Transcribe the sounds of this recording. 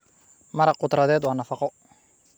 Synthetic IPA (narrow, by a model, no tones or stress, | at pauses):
mɐɾɐqʊt̪ɾɐðɛːd̪waːnɐfɑqɔ